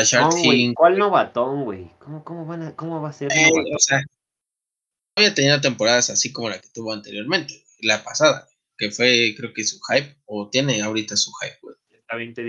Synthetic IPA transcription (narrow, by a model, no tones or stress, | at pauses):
aʃaɾxiliŋkwalnoβat̪oŋɡwejkomokomoβanakomoβaseɾeosea | βjat̪eniðo̞t̪̬e̞mpoɾaðasasiko̞mo̞laket̪uβo̞ant̪e̞ɾjo̞ɾmẽ̞nt̪eɣwejlapasaða̰ɣwe | ke̞fwe̞kɾeoke̞suxajpot̪jene̞awɾit̪asuxajp̚ɡwḛjeaβent̪e